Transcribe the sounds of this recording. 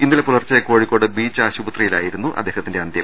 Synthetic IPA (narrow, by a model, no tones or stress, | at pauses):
inːilepulɐrt͡ɕːɐjɐko̞ːɻikːo̞ːɽɨbiːt͡ɕːaːɕubɐt̪rijila̰ːjiɾunːuʔɐ̰d̪ːe̞ːɦɐt̪ːinde̞ɐnd̪jɐm